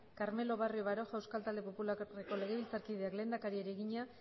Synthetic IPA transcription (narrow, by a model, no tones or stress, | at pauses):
kaɾme̞lo̞βarioβaɾo̞ʝawskalt̪ald̪e̞po̞pulareko̞le̞ɣe̞βilt͡saɾkiðe̞akle̞nd̪akaɾieɾieɣiɲa